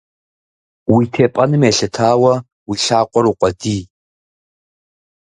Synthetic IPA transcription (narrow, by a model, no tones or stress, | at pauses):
wiːtʰeːpʼɐnɨmeːɬɨtʰaːwɐ | wiɬaːqʷʼɔɾuqʷʼɔdiː